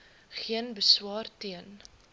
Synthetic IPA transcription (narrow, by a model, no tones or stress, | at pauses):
χiənbəswɑːrtiən